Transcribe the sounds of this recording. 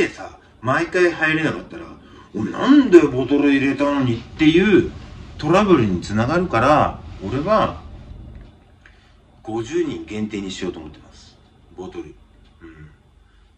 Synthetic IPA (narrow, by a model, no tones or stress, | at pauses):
esa | maikaihaiɾenakat̪ːaɾa̰ | onã̰nd̪e̞bo̞t̪o̞ɾɯiɾe̞t̪ano̞ɲ̟it̪ːe̞jɯ̟ːt̪o̞ɾabɯ̟ɾɯ̟ɲ̟it͡sɨnaɡaɾɯ̟kaɾao̞ɾe̞βa | ɡ̥o̞ʑɨːɲ̟ĩŋɡẽ̞nt̪e̞ːɲ̟iɕijo̞ːt̪omo̞t̪ːemasɨ̥ | bo̞t̪o̞ɾɯ̟ɯ̟̃ɴ